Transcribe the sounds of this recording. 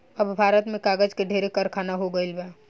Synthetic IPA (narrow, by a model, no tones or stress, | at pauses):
əbbʱaːɾət̪mẽkaːɡəd͡ʒkeɖʱeːɾekəɾkʰaːnaɦoɡəelbɛː